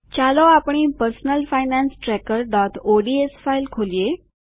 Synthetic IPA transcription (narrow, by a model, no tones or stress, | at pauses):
t͡ɕalɔapɳ̃iːpəɾsnəlfajnansʈɾɛkəɾɖɔt̪oɖiesfailkʰolije